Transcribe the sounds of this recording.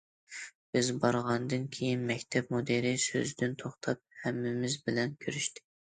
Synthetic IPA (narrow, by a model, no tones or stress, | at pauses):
b̥ɪzbɑɾʁɑnd̪ɨnkʲʰejinmɛkʲt̪ʰɛpmod̪eɾɪsø̰zd̪ɪnt̪ʰoχt̪ʰɑp̚hɛmːɪmɪzbɪlɛnkʲʰøɾyʃt̪ʰɪ̥